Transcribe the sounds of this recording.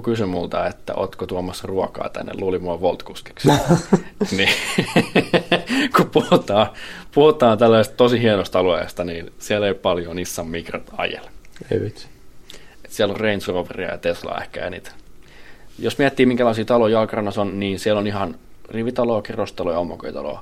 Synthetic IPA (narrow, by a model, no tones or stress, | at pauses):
kysymmult̪ɑet̪ːæ̰ʔo̰t̪kot̪uɑmːɑsruɑkɑ̰ːt̪æ̰nːḛluːlimuɑʋolt̪kuski̥ks | ni | kupuhut̪ɑːpuhut̪ˑɑːnt̪ælːæsest̪t̪osihiɛnost̪ɑluḛˑst̪ɑniːnsiæleˑippɑljonisːɑmmikrɑ̰nt̪ɑ̰jḛlḛiʋæt̪s | et̪siælːorreinsroʋerḭɑ̰jɑ̰t̪eslɑ̰ːḛhkæ̰jɑ̰nḭːt̪ | josmiæt̪ːiːmiŋkælɑˑisiːt̪ɑloiɑlkrɑnːɑsonniːnsiælonihɑnriʋit̪ɑloːkirost̪ɑlojɑomːoko̰it̪ɑ̰lo̰ː